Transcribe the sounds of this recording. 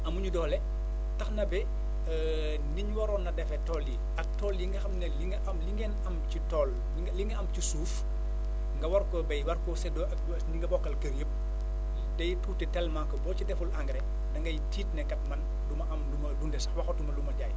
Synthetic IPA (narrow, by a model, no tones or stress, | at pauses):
ɐmuɲudɔːlɛ | tɐxnɐbɛ | niɲwɐɾɔːnɐdɛfɛtɔːlji | ɐk̚tɔːljiŋɡɐxɐmnɛliŋɡɐʔɐmliŋɡɛːnɐmt͡ʃitɔːl | liŋɡɐɐmt͡ʃisuːf | ŋɡɐwɐrkɔbɐjwɐrkɔsɛdɔɐ | niŋɡɐbɔkːɐlkɐɾjəp̚ | dɐjtuːtɛtɛlmakːɔbɔːcidɛfulʔaŋɡɾɛ | dɐŋɡɐjtiːtnɛkɐt̚mɐn | dumɐʔɐmdumɐdundɛsɐxwɐxɔtumɐlumɐɟaːj